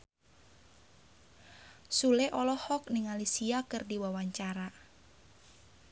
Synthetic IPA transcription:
sulɛʔɔlɔhɔk̚nɪŋalisiakɨrdiwawaɲt͡ʃaɾa

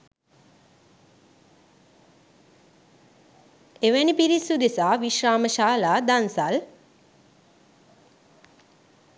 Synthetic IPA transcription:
eʋænipiɾisud̪esaːʋiʃɾaːməʃaːlaːd̪ansal

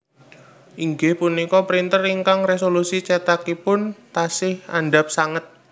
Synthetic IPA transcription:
ʔiŋɡɪhpunikɔpəɾint̪əriŋkaŋres̬olusit͡ʃet̪akipʊnt̪asɪhaɳɖap̚saŋət̪̚

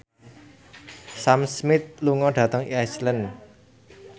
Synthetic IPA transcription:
samsmɪt̪̚luŋɔɖ̥ä̤t̪əŋiaslən

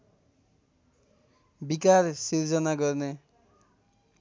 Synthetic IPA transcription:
bikaɾsild͡ʒʌnaɡʌɾne

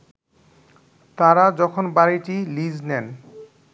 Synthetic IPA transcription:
t̪aɾad͡ʑɔkʰonbaɾiʈilid͡ʑnɛn

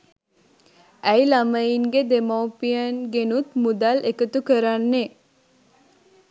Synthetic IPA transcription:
æjlaməjiŋɡed̪emawpijənɡenut̪mud̪alʔekət̪ukəɾanːe

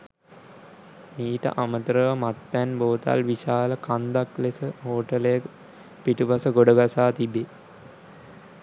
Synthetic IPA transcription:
miːʈə̰ʔamət̪əɾəʋəmat̪̚pænboːt̪a̰lʋiʃaːləkand̪aklesəɦoːʈəlejək | piʈuʋasəɡoɖəɡasaːt̪ibe

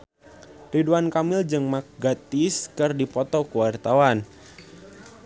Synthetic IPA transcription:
riduankamɪld͡ʒɨŋmak̚ɡat̪iskɨrdipɔt̪ɔkuwart̪awan

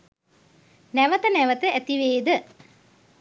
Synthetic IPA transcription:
næʋət̪ənæʋət̪əæt̪iʋeːd̪ə

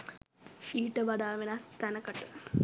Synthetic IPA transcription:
ʃiːʈəʋaɖaːʋenast̪ænəkəʈə

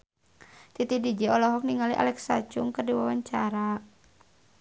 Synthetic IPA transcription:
t̪it̪idid͡ʒɛɔlɔɦɔk̚niŋaliʔa̰lɛksa̰t͡ʃʊŋkərdiwawaɲt͡ʃaɾa

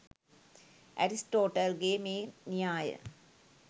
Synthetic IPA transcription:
ʔɐ̰ɾisʈoːʈɐlɡeːmeːnijaːjə̰

